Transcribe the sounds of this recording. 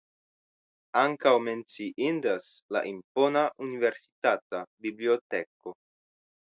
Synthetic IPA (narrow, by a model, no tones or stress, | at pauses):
aŋkawmensiʔind̪as | la̰ʔimponaʔuniveɾsi̥t̪at̪abibliot̪eko